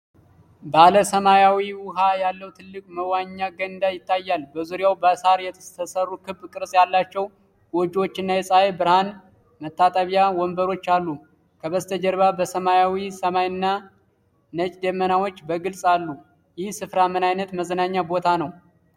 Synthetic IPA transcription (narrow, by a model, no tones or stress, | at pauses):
bəaləsəmajawiwʊɦajalːəwt̪ʰɨlːɨkʼməwaɲːaɡənɨnd̪ajɪt̪ʰːajːalbəzuɾjawbəsaɾjɛəsərːukʰɨbːkʼɨɾsʼjalːat͡ʃːɛw | wɔd͡ʒwo̞t͡ʃːɪnːajɛsʼaebɨɾhan | mət̪ʰːat̪ʼəβjawɔmbəɾo̞t͡ʃːalːu | kʰəβəzt̪ʰəd͡ʒəɾβabəsəmajawisəmajɨnːa | nət͡ʃʼd̪əmːənawo̞t͡ʃːbəɡɨlsʼalːu | jɪhsɨfɾamɨnajnət̪məzənaɲːabo̞t̪ʰanəw